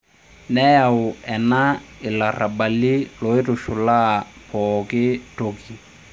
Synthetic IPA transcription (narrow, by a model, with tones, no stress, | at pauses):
nɛ˦ja˨ʊ˨ɛ˨na˦ɪ˨la˨ra˨ba˨li˦lo˨ɪ˦rʊ˨ʃʊ˨la˦pʰɔkɪ˦toki˨